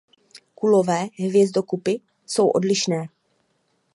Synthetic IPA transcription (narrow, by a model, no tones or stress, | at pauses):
kulo̞vɛːɦvjɛzdo̞kupɪ | so̞wʔo̞dlɪʃnɛː